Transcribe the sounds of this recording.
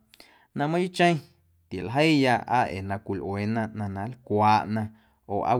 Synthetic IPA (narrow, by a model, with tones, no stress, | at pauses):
nã˧mã˦ju˦t͡ʃə̃˦j̃ | t̪je˨lɦə˦jja˧ʔa̰˦ʔḛ˨nã˧kʷi˨lʔweː˨nã˧ʔnã˧nã˨˦lkʷaː˧ʔnã˧ | o̰ː˨ʔa̰˦